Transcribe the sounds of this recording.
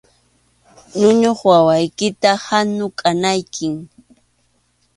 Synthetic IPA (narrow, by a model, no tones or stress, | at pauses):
nʊɲoχwawajkɪt̪ahanʊkʼanajkʰɪŋ